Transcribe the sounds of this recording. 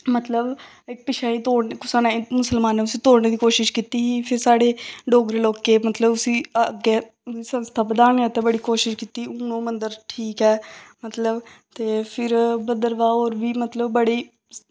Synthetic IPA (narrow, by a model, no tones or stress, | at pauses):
mət̪ləb | ɪk̚pɪʃʰaːiːt̪oːɽnkʊsaːnaːimʊsəlmaːnːeːʊsĩːt̪oːɽneːd̪iːkoːʃɪʃkiːt̪iːiːpʰɪɾsaːɽeːɖoːɡɾeːloːkeːmət̪ləbʊsĩːəɡeː | iːsə̃nst̪ʰaːbəd̪aːneːət̪ẽːbəɽiːkoːʃɪʃkiːt̪iːʊnõːmənd̪əɾʈʰiːkɛːmət̪ləbt̪eːpʰɪɾbəd̪əɾʋaːoːɾʋiːmət̪ləbbəɽiː